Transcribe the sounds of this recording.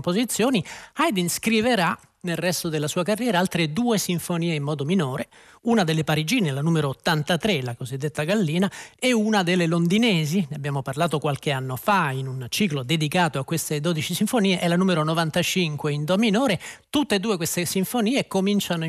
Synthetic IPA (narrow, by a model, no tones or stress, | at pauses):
mpozit̪sːjoːniajd̪inskɾiveɾa | nelrɛst̪od̪elasuːakarːjɛːɾaalt̪ɾed̪uːesiɱfoniːeimːɔːd̪ominoːɾe | unad̪elːepaɾid͡ʒiːnelanuːmeɾoːt̪ːant̪at̪ɾelakozid̪ːet̪ːaɡalːiːnaɛunad̪elːelond̪inɛːzineabjaːmoparlaːt̪okwalk̟eanːofainunt͡ʃiːklod̪ed̪ikaːt̪oakːwest̪ed̪oːd̪it͡ʃisiɱfoniːeʔɛlanuːmeɾonovant̪at͡ʃiŋkweind̪ɔminoːɾet̪ut̪ːeːd̪ːuːekwest̪esiɱfoniːekomint͡ʃano